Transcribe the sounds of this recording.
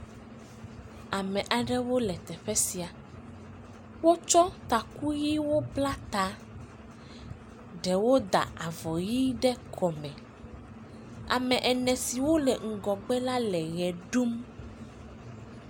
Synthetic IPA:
a˨mɛ̃˨ʔa˨ɖɛ˦wo˦lɛ˨t̪ɛ˨ɸɛ˦si˨a˨ | wo˦t͡ʃɔ˦t̪a˨ku˦ji˦wo˦bla˦t̪a˨ | ɖɛ˨wo˦d̪a̰˨a˨vɔ˨ji˦ɖɛ˦kʰɔ˨mɛ̃˨ | a̰˨mɛ̃˨ʔɛ˨nɛ̃˨si˨wo˦lɛ˨ŋ̩˨ɡɔ˨ɡ͡bɛ˦la˦lɛ˨ɣɛ˨ɖu˦m

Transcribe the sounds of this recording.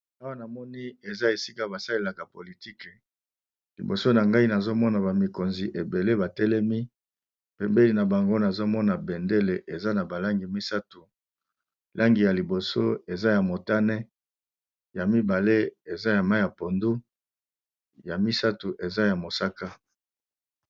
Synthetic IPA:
a˦wa˦na˨mɔ˦ni˦e˨za˦e˨si˦ka˦ba˨sa˦le˦la˨ka˨po˨li˨ti˦k | lḭ˨bo˨so˦na˨ŋɡa˦i˦na˨zo˦mɔ˦na˨ba˨mi˨ko˨nzi˨ʔe˨be˨le˦ba˨tɛ˦lɛ˦mi˦ | pɛ˨mbe˦li˨na˨ba˨ŋɡo˦na˨zo˦mɔ˦na˨bɛ˨nde˦le˨ʔe˨za˦na˨ba˨la˦ŋɡi˨mi˦sa˦tu˨ | lʔa˦ŋɡi˨ja˨li˨bo˨so˦e˨za˦ja˨mo˨ta˦nɛ˦ | ja˨mi˦ba˨le˦e˨za˦ja˨ma˦ja˨po˨ndu˦ | ja˨mi˦sa˦tu˨ʔe˨za˦ja˨mo˨sa˦ka˦

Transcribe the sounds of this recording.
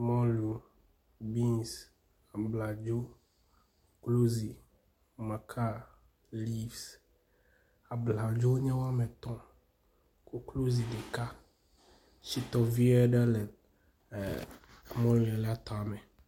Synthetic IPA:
mɔ˦lu˨ | bi˦ns | a˨bla˨d͡ʒo˦ | klo˦zi˨ | mã˨kʰa˦ | li˦vs | a˨bla˨d͡ʒo˦wo˦ɲɛ̃˦wo˦a˦mɛ˨t̪ɔ̃˦ | ko˦klo˦zi˨ɖe˨ka˦ | si˦t̪ɔ˦vi˦ɛ˦ɖa˦lɛ˨˦ | mɔ̃˦li˨ɛ˨lɛ˦a˦t̪ɔ̃˨a˨mɛ˨

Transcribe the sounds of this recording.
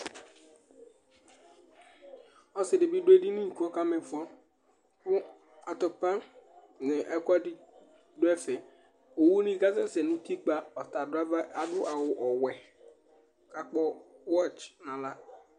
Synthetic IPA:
ɔ˨sɪ˨dɪ˨bi˦dʊ˦e˦di˦nĩ˦ŋ̩˨ku˦ɔ˦ka˦mɛ̃˨fɔ˦ | kʊ˦ | a˨tɔ˨pa˦ | nɪ̃˨ʔɛ˦ka˦dɪ˦ | dʊ˦ɛ˦fɛ˨ | o˨wu˦nĩ˦ɡa˦sa˦sɛ˨nũ˦ti˦k͡pa˦ɔ˨ta˨˦a˨dʊ˦ʔa˨wʊ˨ʔɔ˨wɛ˨ | ka˨k͡pɔ˦wɔ˦˨t͡ʃnã˨la˦

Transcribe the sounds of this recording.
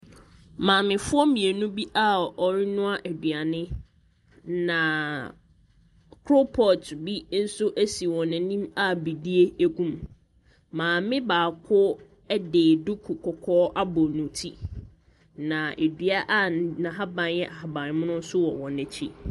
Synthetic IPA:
mãː˨mɪ̃˨fʊ˦ɔ˦mĩ˨e˨nũ˦bi˦ʔa˦ɔ˨ɾɪ˦nʊ̃˦a˦ʔæ˨dɥa˨nɪ̃˦ | nã˨ | kʰɾo˦pʰɔ˨tbi˦n̩˦sʊ˦ʔæ˦si˨wɔ̃˨nɛ̃˨nĩ˦ma˦bi˨di˦e˦æ˦ɡũ˦m | mãː˨mɪ̃˦baː˨kʰʊ˦ | deː˨dʊ˦kʰu˨kʰɔ˨kʰɔː˦ʔa˦bɔ˨nũ˨tʰi˦ | nã˨ʔe˨dɥa˦ʔa˦nã˨ɦa˦bã˨njɛ˦ʔa˨ha˨bã˨n˦mʊ̃˦nʊ̃˦n̩˦sʊ˦wɔ˨wɔ̃˨næ̃˨t͡ɕʰi˦

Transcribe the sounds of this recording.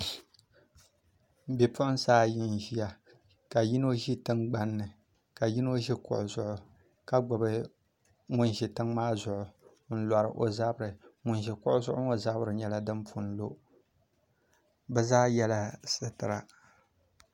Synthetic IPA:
bɛ˨pʊ˦ʔʊ˦n˦saː˦jɪ˦n˨ʒi˦ja˦ | ka˨ji˦no˦ʒi˦tɨ˦ŋɡ͡ba˦nːɨ˨ | ka˨ji˦no˦ʒi˦kʊ̰˨ʔʊ˨zʊ˦ʔʊ˨ | ka˦ɡ͡bʊ˨bɨ˦ | ŋʊ˦n˨ʒi˨tɨ˦ŋmaː˦zʊ˨ʔʊ˨ | n̩˦la˨ɾɨ̰˨ʔo˨za˦bɾɨ˨ŋʊ˨nʒi˨kʊ˦ʔʊ˦zʊ˦ʔʊ˦ŋo˦za˦bɾɨ˨ɲɛ˦la˨dɨ˦mpʰu˨n˦lo˦ | bɛ˦zaː˦jɛ˦la˦˨sɨ˨tɨ˨ɾa̰˨

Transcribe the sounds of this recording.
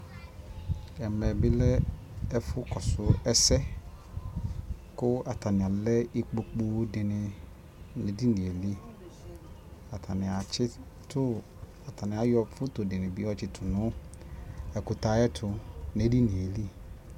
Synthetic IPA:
ɛ˨mɛ˨bɪ˦lɛ˦ɛ˦fʊ˦kɔ˨sʊ˦ɛ˦sɛ˦ | kʊ˦a˨tʰa˨nɪ̃˨a˨lɛ˦i˦k͡po˨k͡po˦dɪ˨nɪ̃˨ | ne˨di˦nĩ˨e˨li˦ | a˨tʰa˨nɪ̃˨a˨t͡ɕʰɪ˦ | tʰʊ˦ | a˨tʰa˨nɪ̃˨a˨˦jɔ˦fʊ˦tʊ˨dɪ˨nɪ̃˨bɪ˦ɔ˦t͡ʃɪ˦tʰʊ˨nʊ̃˦ | ɛ˨kʊ˨ta˨˦ɛ˦tʰʊ˨ne˨˦di˦nĩ˨e˨li˦

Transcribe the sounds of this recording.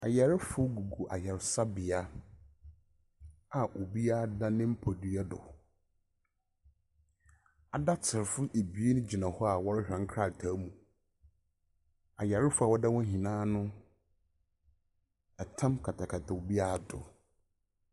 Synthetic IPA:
a˨jɛ˨ɾɪ˦fʊ˦ɡu˨ɡu˨ʔa̰˨jɛ˨ɾɪ˨sa˦bɪ˨a˦ | a˨ʔo˨bi˦a˦da˦nɪ̃˦m̩˦pʰɔ˨dɥɛ˦dʊ̰˨ | a˨da˦tʰɪ˨ɾfʊ˦e˨bi˨˦e˦nʊ̃˦d͡ʑi˨nã˨hɔ˦a˨wɔ˦ɾɪ˦hᶣɾɛ˨ŋ̩˦kʰɾa˦˨tʰa˨˦mũ˨ | a˨jɛ˨ɾɪ˦fʊ˦a˨wɔ˦da˦wɔ̃˦ɦĩ˨nãː˦nʊ̃˦ | ɛ˨tʰã˦mkʰa˨tʰa˨kʰa˨tʰa˨o˨bi˦a˦˨dʊ̰˨

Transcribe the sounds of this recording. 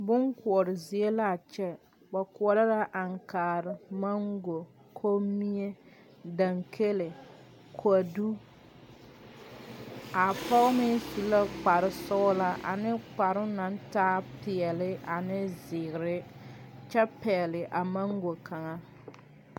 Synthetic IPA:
bʊ˦ŋku˨ɔ˨ɾɪ˨zi˨e˦la˦˨t͡ʃɛ˦ | ba˨kɔ˨ɾa˦la˦ʔa˨ŋkaː˨ɾɪ˨ma˦ŋɡo˨ | kʰo˦mi˦e˦ | da˨ŋkʰe˦le˨ | kʰa˨du˦ | a˨pɔ˦ɣmɪ˦si˨la˦k͡pa˨ɾɪ˦sɔ˦la˦ʔa̰˨nɪ˦k͡pa˨ɾʊ˦na˨n˦taː˦pɪ˨ɛ˨lɪ˦ʔa˨nɪ˦zɪ˨ɣɪ˨ɾɪ˦t͡ʃɛ˦pɛ˨ɛ˨lɪ˨ʔa˨ma˦ŋɡo˨ka˨ŋa˦

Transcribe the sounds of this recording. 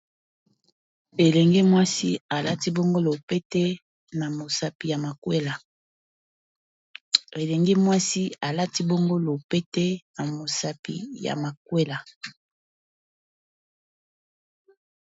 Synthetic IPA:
e˨lɛ˨ŋɡe˦mwa˦si˦a˨la˦ti˦bo˦ŋɡo˦lo˨pe˦tɛ˦ | na˨mo˨sa˨pi˨ja˨ma˨kwe˦la˨ | e˨lɛ˨ŋɡɛ˦mwa˦si˦a˨la˦ti˦bo˦ŋɡo˦lo˨pe˦te˦na˨mo˨sa˨pḭ˨ja̰˨ma˨k̚we˦la˨

